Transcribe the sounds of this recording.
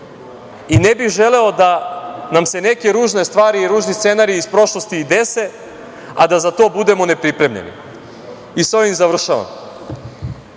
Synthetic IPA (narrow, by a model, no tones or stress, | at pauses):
ine̞bixʒe̞le̞o̞d̪anamse̞ne̞ke̞ɾuːʒne̞st̪ʋaːɾiːɾuːʒnist̪senaɾiispɾo̞ʃlˠo̞st̪iːd̪e̞se̞ | ad̪azat̪o̞ːbud̪e̞mo̞ne̞pɾipɾe̞mʎḛnḭ | isojimzaʋr̩ʃaʋa̰m